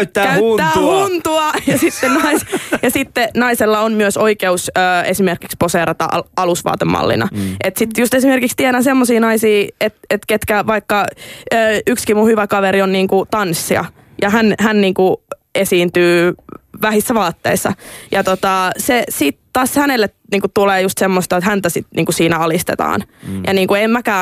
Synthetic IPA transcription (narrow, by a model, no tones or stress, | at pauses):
t̪ːæːkæːæːhunt̪uɑjɑsit̪ːennɑisjɑsit̪ːenɑiselːɑonmyøsoikeusøːesimerkiksposeːɾɑt̪ɑ̰ɑlusʋɑ̰ːt̪emːɑ̰lːḭnɑ̰et̪sit̪just̪esimerkikst̪ienæsemːosiːnɑisiːet̪et̪ket̪kæʋɑikːɑøːykskimuhyʋækɑʋeɾionniːŋkut̪ɑnsːiɑ̰ | jɑɦænhænniːŋku | esiːnt̪yːʋæhisːæʋɑːt̪ːḛisːɑ̰jɑt̪ot̪ɑsesiːt̪t̪ːɑːshænelːet̪niːŋkutt̪uleːjust̪semːost̪ɑot̪hænt̪æsit̪nḭːŋkusiːnæɑlist̪ḛt̪ɑ̰ːnjʔɑ̰niːŋkuemmækæː